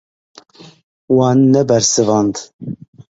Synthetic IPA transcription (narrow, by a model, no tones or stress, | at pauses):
wɑːnːɛbæɾsɨvɑnd̪